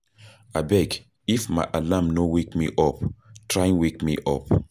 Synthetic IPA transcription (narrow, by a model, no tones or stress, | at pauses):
abɛɡ | ifmaɪʔalamnowekmiʔɔptʰɹaĩŋwekmḭʔɔp